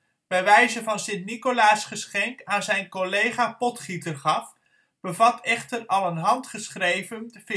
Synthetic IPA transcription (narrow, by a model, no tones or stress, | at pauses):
b̥ɛjʋɛjzəvɑnsɪntnikolaːsχəsχɛŋkaːnzɛjnkolejχaːpɔtχitərχɑf | b̥əvɑtʰɛχtərɑlˠənɦɑntχəsχrejvənf